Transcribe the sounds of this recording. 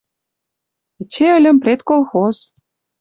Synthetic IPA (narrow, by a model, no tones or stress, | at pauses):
t͡ɕeə̆lʲə̆mprʲet̪kolˠxoz